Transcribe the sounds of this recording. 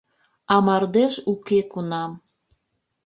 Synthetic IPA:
ɑmɑrd̪eʃukekunɑm

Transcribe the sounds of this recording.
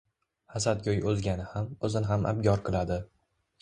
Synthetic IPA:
hasat̪̚ɡʲojɵzɡʲanɪhamɵzɪnɪɦamʔa̰b̚ɡʲɒɾqʰɨlˠad̪ɪ

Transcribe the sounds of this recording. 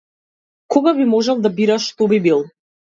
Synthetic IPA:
kɔɡabimɔʒɛlˠd̪abiɾaʃt̪ɔbibilˠ

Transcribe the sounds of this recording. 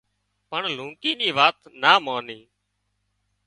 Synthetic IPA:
pəɳlũːkiːniːʋaːt̪naːmaːniː

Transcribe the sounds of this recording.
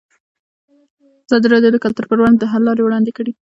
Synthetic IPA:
az̥ɑd̪iɾɑd̪jod̪əkalt̪ʊɾpəɾwand̪̚d̪əɦalːɑɾewɽɑnd̪ekəɽi

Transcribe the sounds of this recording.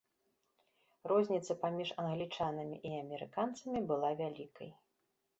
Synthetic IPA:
rɔzʲnʲit̪sɐpamʲiʂɐnɣlʲit͡ʂanɐmʲḭʔiɐmʲɛɾɨkant̪sɐmʲibɨlˠavʲalʲikɐ̰j

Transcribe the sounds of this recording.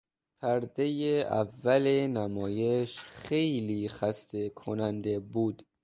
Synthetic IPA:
pʰæɾd̪ejeæ̰vːælenæmɒːje̞ʃxejliːxæst̪ʰe̞kʰonænd̪ebuːd̪̥

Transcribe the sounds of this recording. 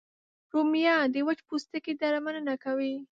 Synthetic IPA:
ɾumijɑd̪əwat͡ʃpust̪əked̪aɾamananakawi

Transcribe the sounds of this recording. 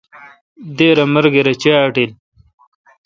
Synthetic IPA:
d̪eːɾɐmɐɾɡeɾɐt͡ɕaːʈel

